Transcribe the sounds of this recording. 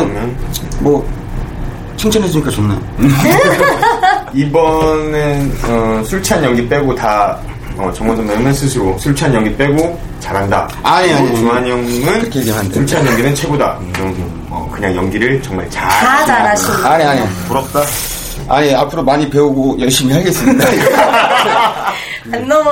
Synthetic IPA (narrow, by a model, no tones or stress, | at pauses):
mjʌnmʌ | t͡ɕʰiŋt͡ɕʰʌnɦes̬uɲik͈at͡ɕonnajo | ibʌnenʌsʰuɭt͡ɕʰanjʌŋɡip͈e̞ɡota | ʌt͡ɕʌŋwʌnsʰamʌnɯnsʰɯsʰɯɾosʰuɭt͡ɕʰanjʌŋɡip͈e̞ɡo | t͡ɕaɾɦanda̰aɲeaɲuaɲʌŋɯnkʰeeɡemandesʰuɭt͡ɕʰaɲjʌŋɡinɯnt͡ɕʰe̞ɡoda̰ | ɾʌ | ʌ̰kɯɲaŋjʌŋɡiɾɯɭt͡ɕʌŋmaɭt͡ɕaat͡ɕaaɕiaɲeaɲepuɾʌp̚t͈a | aɲeapʰɯɾomaɲipe̞uɡojʌɭɕ͈imiɦaɭɡe̞s͈ɯmɲda | nːʌm